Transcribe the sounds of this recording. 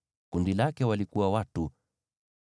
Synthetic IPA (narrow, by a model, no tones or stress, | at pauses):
kundilakɛwalikuwawatu